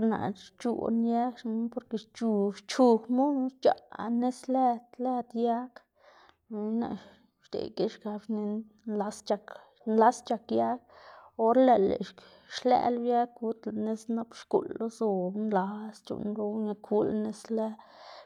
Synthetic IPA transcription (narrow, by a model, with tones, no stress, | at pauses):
ɾna̰˨t͡ʃṵ˨nja˦kʃpo˧ɾke˧˨t͡ʃu˧ʃt͡ʃu˧kmu˦t͡ʃa̰˨ne˦sle˦t̪le˦d̪ja˦k | na̰˧˨ | ʃd̪ḛ˨ke˦ʃɡa˧bni˧n | la˧˦st͡ʃa˧k | nla˦st͡ʃa˧kja˦k̚o˧˦ɾle˧lḛ˨ʃ | ʃlḛ˧lja˦kɡu˦t̪la˨ne˦sna˦pʃkṵ˨lːo˦zo˧bnla˧˦st͡ʃṵ˧nɾo˧˦ŋa˧kʰu˦lne˦sle˦